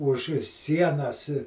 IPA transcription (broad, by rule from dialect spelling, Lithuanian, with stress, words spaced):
ʊʃ ˈsʲiɛnɐs